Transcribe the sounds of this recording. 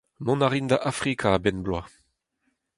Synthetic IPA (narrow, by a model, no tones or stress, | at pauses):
mɔ̃naʁind̪aʔafʁikʰaːbɛnblwa